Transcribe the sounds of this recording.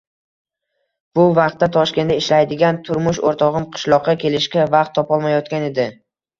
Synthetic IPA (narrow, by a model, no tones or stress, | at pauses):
b̥ʊvɑq̚t̪ːat̪ʰɒʃkʲe̞nd̪aɪʃlajd̪ɪɡʲant̪ʰʊɾmʊʃoɾt̪ʰɒʁɨmqʰɨ̥ʃlˠɒqːɑkʲʰe̞lɪʃkʲavɑqt̪ʰːɒpɒlˠmajɒt̪kʲane̞d̪ɪ